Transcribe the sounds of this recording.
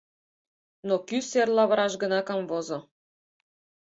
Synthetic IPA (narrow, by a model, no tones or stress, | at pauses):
nokyserlɑβɤ̆ɾɑʃɡə̆nɑkɑmvozŏ